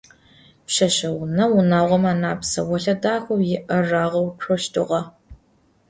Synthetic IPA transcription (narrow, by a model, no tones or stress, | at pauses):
pɕɐɕɐwnɐwʊnaːʁʷɔmaːnaːpsɐ̰wɔɬɐdaːxʷɐwjɪʔɐraːʁɐwʈ͡ʂʷʰoɔʃtʰɨ̰ʁɐ